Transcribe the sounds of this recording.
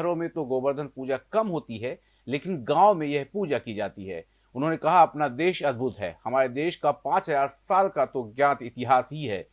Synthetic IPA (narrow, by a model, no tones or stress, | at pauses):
əɾõmẽt̪oɡoːbəɾd̪ʱənpuːd͡ʒakɐmɦoːt̪iɦɛ | leːkɪnɡãːʋomẽjɛɦpuːd͡ʒakid͡ʒaːt̪iɦɛ̰ː | ʊnɦõːnekɐɦaɐpnad̪eːʃɐd̪̚bʱʊt̪ɦɛ̰ːhɐmaːɾed̪eːʃkapãːt͡ʃɦɐzaːɾsaːlkat̪oɡjãːt̪ɪt̪ɪɦaːsɦiɦɛ̰ː